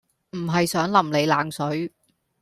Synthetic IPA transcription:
m̩˨˩ɦɐ˨jsœː˨˥ŋlɐ˨˩mle˨˧jlaː˨˥ŋsɵ˨˥ɥ

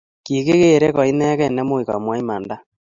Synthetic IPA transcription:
ki˨ke˦ɣe˦˨ɾɛ˦kɔ˨i˦nɛ˦kɛ˦˨nɛ˦mo˦i˨ka̰˨mwa˦i˦ma˨nda˦

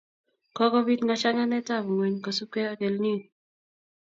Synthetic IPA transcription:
kɔ˦kɔ˦bi˦tŋa˨t͡ʃa˦ŋa˦nɛ˦ta˦˨bŋo˨ɲko˨su˦ke˦a˨ke˨lni˦˨

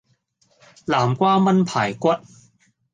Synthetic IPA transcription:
laː˨˩mkʷaː˥mɐ˥npʰaː˨˩jkʷwɐ˥t̚

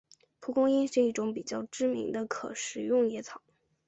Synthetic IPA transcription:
pʰu˧˥kʊ˥ŋi˥nʂɻ̩˥˧i˥˩ʈ͡ʂʊ˧˥ŋpi˨˩t͡ɕjɑ˥˩ʊʈ͡ʂɻ̩˥mḭ˧˥ŋd̪ə˧kʰɤ˨˩ʂɻ̩˨˩jʊ˥˩ŋjɛ˧˥t͡sʰɑ˨˩˦ʊ

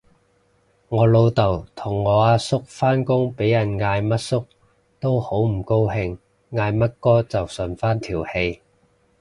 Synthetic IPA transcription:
ŋɔː˨˧lo˧wt̪ɐ˨˩wt̪ʰʊ˨˩ŋːɔː˨˧aː˧sʊ˥k̚faː˥nkʊ˥ŋpe˨˥jɐ˨˩nŋaː˧jmɐ˥t̚sʊ˥k̚ | t̪o˥who˨˥wm̩˨˩ko˥whɪ˧ŋ | ŋaː˧jmɐ˥t̚kɔː˥t͡sɐ˨wsɵ˨nfaː˥nt̪ʰiː˨˩whe˧j

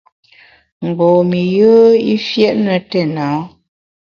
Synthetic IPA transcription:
ŋ̩˨ɡ͡bɔ˨mi˨jəː˦i˦fjɛ˦ʔnə˨tɛ˨na˨˦

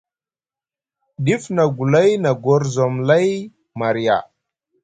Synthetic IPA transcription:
ɗi˦fna˨ɡu˨la˦jna˨ɡo˦ɾzo˨mla˦j | ma˨ɾi˨ja̰˨

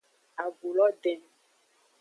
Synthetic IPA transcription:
a˨bu˨lɔ˦ɖɛ˨

